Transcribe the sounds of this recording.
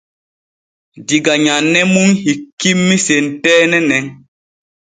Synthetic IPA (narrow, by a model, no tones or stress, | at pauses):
diɡaɲanːɛmuŋhikːimːisentɛːnɛnɛŋ